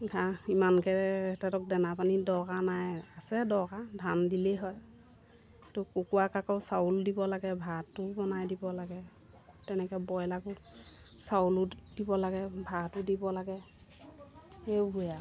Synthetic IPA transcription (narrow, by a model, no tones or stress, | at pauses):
ɡʱaimankɛɛtɛtɔk̚dɛnapanidɔɡanajasɛdɔɡadʱandilɛɦɔj | tʊkukuwakakɔwsauldibɔlaɡɛbʱatːʊbɔnajdibɔlaɡɛ | tɛnɛkɛbɔjlaɡʊ | saulʊdibɔlaɡɛbʱatʊdibɔlaɡɛ | ewbuja